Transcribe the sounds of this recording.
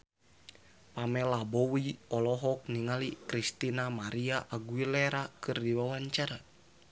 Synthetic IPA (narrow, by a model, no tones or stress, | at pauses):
pamɛlabɔwiɔlɔɦɔk̚niŋalikɾist̪inamaɾiaʔaɡuilɛɾakɨrdiwawaɲt͡ʃaɾa